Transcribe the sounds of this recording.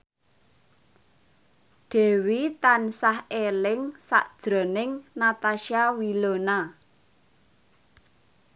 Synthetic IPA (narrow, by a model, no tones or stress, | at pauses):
ɖ̪̥e̤wit̪ansahelɪŋsa̰ʔd̥ʒ̥ɾo̤nɪŋnat̪aʃiawilona